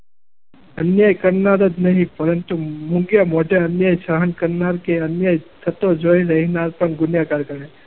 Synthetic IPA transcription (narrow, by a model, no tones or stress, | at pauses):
ɐnjaːjkɐɾnaɾɐd͡ʒnɐɦĩpɐɾənt̪umuŋɡjamoɖaɐnjaːjʃaɦənkɐɾnaɾkeɐnjaːjsʰɐt̪od͡ʒoːiɾɐɦinaɾpɐɳɡʊnjakaɾkɐɾe